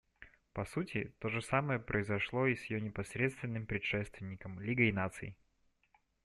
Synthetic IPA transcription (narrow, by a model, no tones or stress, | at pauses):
pɐsutʲɪt̪o̞ʐɨsaməjəpɾʔəɪzɐʂlˠo̞isjɪjonʲɪpɐsɾʲe̞t̪st̪vʲɪnːɨmpɾʲɪt̪ʂɛst̪vʲɪnʲːɪkəmlʲiɡəinat̪sɨ̰ɪ